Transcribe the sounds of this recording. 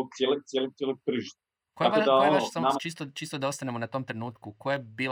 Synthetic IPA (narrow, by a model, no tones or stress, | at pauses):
ot̪sjelot̪jelot̪jelopr̩ʒt̪ | kojabaʃd̪kaoeʋaʃsamat͡ʃist̪ot͡ʃiːst̪od̪ao̞st̪anemonat̪o̞mt̪ɾenuːt̪kukojajebiːl